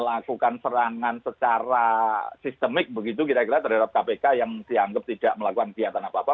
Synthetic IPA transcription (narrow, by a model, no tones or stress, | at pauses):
əlakukansəɾaŋansət͡ʃaɾasist̪əmɪk̚bəɡit̪̬ukit̪akiɾat̪ərɦadap̚kapekajaŋsiaŋɡəp̚t̪id̥aʔməlakukankiat̪anapaːpa